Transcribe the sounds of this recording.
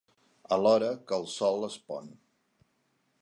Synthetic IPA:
əlɔɾəkəlˠsɔlˠəspɔ̰n

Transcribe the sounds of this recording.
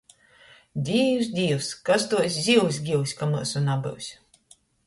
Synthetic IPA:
d̪ʲiːws̬d̪ʲiːwskast̪uɔsʲzʲiws̬ʲɡʲiwsʲkamɨ̰sunabɨ̰wsʲ

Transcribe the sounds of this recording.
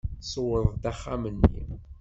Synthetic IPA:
sˤwəðˤd̪æχːamənːḭ

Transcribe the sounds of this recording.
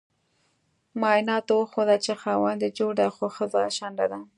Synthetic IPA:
mɑɪnɑt̪owəxod̪alt͡ʃexɑwand̪əd͡ʒoɽaxoxəzaʃand̪ad̪a

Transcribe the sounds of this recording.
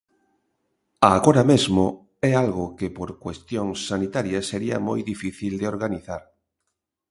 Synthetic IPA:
aːɣoɾamezmo | ɛalɣʊkɪpoɾkwest̪joŋsːanit̪aɾjɐseɾiɐ̰mojðifiθild̪eoɾɣaniθaɾ

